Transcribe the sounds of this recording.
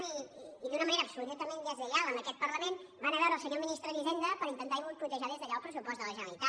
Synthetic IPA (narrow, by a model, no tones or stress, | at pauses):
iːðunəməneɾəːpsuðut̪əmenəzðəlalˠəmbəkɛt̪̚pərləmenbanəβɛwɾəːlˠsəɲominist̪ɾəðizend̪əpəɾint̪ənt̪aimulˠput̪əʒaðezðəʎaəlˠpɾəsupɔst̪ələʒənəlit̪a